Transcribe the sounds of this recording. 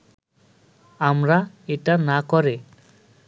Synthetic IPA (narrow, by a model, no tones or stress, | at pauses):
amɾa | eʈanakɔɾe